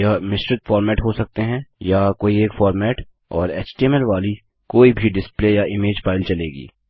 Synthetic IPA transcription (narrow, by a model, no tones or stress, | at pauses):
jamɪsʈɾɪt̪fɔːɾmɛːʈɦosɐk̚t̪eɦɛ̃jakoːieːkfɔːɾmɛːʈ | ɔ̰ːɾḛːt͡ʃʈiɛmɛlʋaːli | koːibʱiɖɪspleːjaʔɪmeːd͡ʒfaːɪlt͡ʃɐleːɡḭː